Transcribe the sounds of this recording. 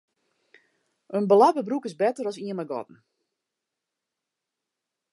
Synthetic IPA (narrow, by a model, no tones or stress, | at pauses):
ʔənbəlabəbrukɪsbɛtərɔsiənmaɡɔ̰tn̩